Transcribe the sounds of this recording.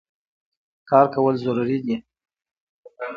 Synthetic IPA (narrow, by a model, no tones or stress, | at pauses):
kɑɾkawəlzʊɾuɾid̪i